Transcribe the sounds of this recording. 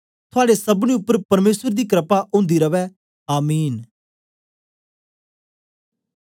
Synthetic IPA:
t̪ʰʊaːɽesɐbñiːʊpːəɾpɐɾmeːsəɾd̪iːkɾəpaʔʊ̃ːnd̪iɾɐʋɛ | aːmiːn

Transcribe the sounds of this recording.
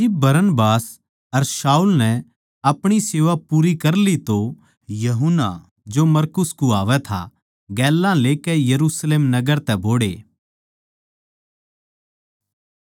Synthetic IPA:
ɪbbɐɾənbaːs | ɐɾsaːulnɛ̃ | ɐpɽ̃iseːʋapuːɾikɐɾlit̪o | jɐɦʊnːa̰ | d͡ʒomɐɾkʊskuaːʋɛt̪ʰa̰ | ɡɛːlːãleːkɛjɐɾuːsleːmnɐɡəɾt̪ɛboːɽḛː

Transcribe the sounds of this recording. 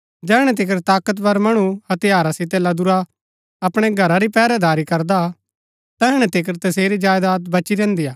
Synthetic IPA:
d͡ʒɛːɽ̃ɛ̃t̪̬ɪkəɾt̪aːkət̪pɐɾmɐɽ̃uɐt̪ejaːɾasɪt̪̬elɐd̪ʊɾa | ɐpɽ̃eɡʱɐɾaɾipɛːɾɛd̪aːɾikɐɾd̪a | t̪ɛːɦɽ̃ɛ̃t̪ɪkəɾt̪ɐseːɾid͡ʒaːjd̪aːt̪bɐt͡ʃiɾɛ̃ːnd̪ijaː

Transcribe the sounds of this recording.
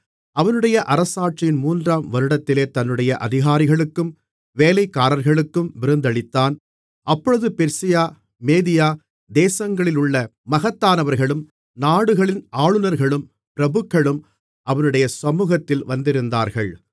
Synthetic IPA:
ɐʋɐnɯɽɐjɐʔɐɾɐsaːʈrɪjɪnmuːndraːmʋɐɾɯɽɐt̪ːɪleːt̪ɐnːɯɽɐjɐʔɐðɪɣaːɾɪɣɐɭɯkːɯm | ʋeːlɐɪkːaːɾɐɾɣɐɭɯkːɯmʋɪɾɯnd̪ɐɭɪt̪ːaːn | ʔɐpːɔɻɯðɯpɛɾsɪjaː | meːðɪjaː | d̪eːsɐŋɡɐɭɪlʊɭːɐmɐɣɐt̪ːaːnɐʋɐɾɣɐɭɯm | naːɽɯɣɐɭɪnaːɭɯnɐɾɣɐɭɯm | pɪɾɐbɯkːɐɭɯm | ʔɐʋɐnɯɽɐjɐsɐmuːɣɐt̪ːɪlʋɐnd̪ɪɾɯnd̪aːɾɣɐɭ

